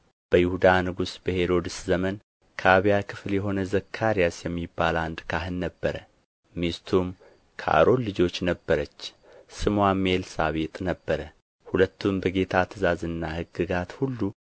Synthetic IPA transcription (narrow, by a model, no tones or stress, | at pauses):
b̥əjɪhud̪anɨɡusbəhe̞ɾo̞d̪ɨszəmən | kʰəaβijakʰɨfljɛɦo̞nəzəkʰːaɾijasjɛmːibːaland̪kʰaɦɨnːəbːəɾə | mist̪ʰum | kʰəʔa̰ɾo̞nːɨd͡ʒo̞t͡ʃːnəbːəɾət͡ʃː | sɨmwame̞lsaβet̪ʼnəbːəɾə | hulət̪ʰːumbəɡe̞t̪ʰat̪ʰɨzazɨnːahɨɡɨɡat̪hulːu